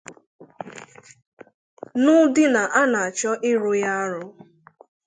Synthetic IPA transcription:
nʊ˦dɪ˦na˨ʔa˦na˨a˨t͡ʃɔ˦ʔɪ˦ɾʊ˦ja˦a˦ɾʊ˦

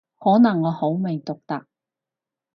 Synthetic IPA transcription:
hɔː˨˥nɐ˨˩ŋːɔː˨˧ho˨˥wmɪ˨˩ŋt̪ʊ˨k̚t̪ɐ˨k̚

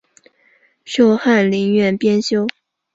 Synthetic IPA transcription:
ʂjo˥ʊxa˥˩nli˧˥ŋɥɛ˥˩npjɛ˥nɕjo˥ʊ

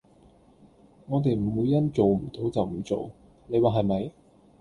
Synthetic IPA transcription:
ŋɔː˨˧t̪̬e˨jm̩˨˩wuː˨˧jɐ˥nt͡so˨wm̩˨˩t̪o˨˥wt͡sɐ˨wm̩˨˩t͡so˨w | ne˨˧jwaː˨˩ɦɐ˨jmɐ˨˧j

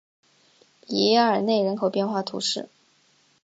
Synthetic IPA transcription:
li˧˥˧ə˞˨˩ne˥˩ɪɻə˧˥nkʰo˨˩ʊpjɛ˥˧nxwa˥˩t̪ʰṵ˧˥ʂɻ̩˥˩

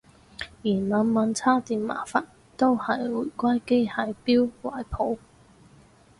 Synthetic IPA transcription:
jiː˨˩nmœː˨˧ŋmɐ˨˧˥nt͡sʰaː˥t̪iː˨˧nma̰ː˨˩faː˧t | t̪o˥whɐ˨jwuː˨˩jkʷaː˥jke˥jhaː˧jpiː˥wwa̰ː˨˩jpʰo˨˥w

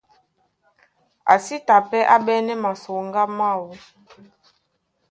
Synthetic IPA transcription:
a̰˨si˦ta˨pɛ˦ʔa˦bɛ˦nɛ˦ma˨so˨ŋɡa˦ma˦˨wo˨

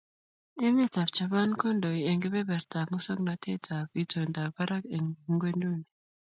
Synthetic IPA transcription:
e˦me˦˨ta˨pt͡ʃa˨βa˦nkɔ˦ndɔ˨i˨e˨ŋɡɛ˦βɛ˦bɛ˨ɾta˨mu˦sɔ˦ŋna˨tʰe˦tʰa˨pi˦tʰo˨nda˨ba˦ɾa˦ke˨ŋ˨˦ŋɡwe˦ndu˦˨ni˨

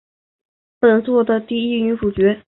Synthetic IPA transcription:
ə˨˩nt͡swɔ˥˩d̪ə˩t̪i˥˧i˥˩ny˧˥fu˨˩t͡ɕɥɛ˧˥

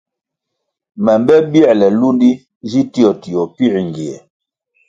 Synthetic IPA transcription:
mɛ˨mbɛ˦bi˦ɛ˦˨lɛ˨lu˦ndi˦ | d͡ʒi˦ti˦ɔ˨ti˨ɔ˨pi˦ɾŋ˨ɡi˨ɛ˨

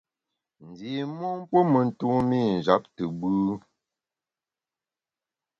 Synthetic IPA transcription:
n̩˨di˨mɔ˦m˦pə˦mə˨n̩˨tu˦mi˦˨n̩˨d͡ʒa˨˦p̚tɨ˨bʉ˦

